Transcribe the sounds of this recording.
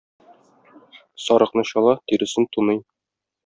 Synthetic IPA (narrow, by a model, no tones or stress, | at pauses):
sɒɾɤ̆qnɤɕɒlˠɑt̪iɾɘ̆sɘnt̪unɤj